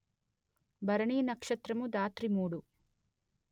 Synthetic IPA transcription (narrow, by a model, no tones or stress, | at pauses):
bɐɾɐɳiːnɐkʂɐt̪ɾɐmud̪aːt̪ɾimuːɽu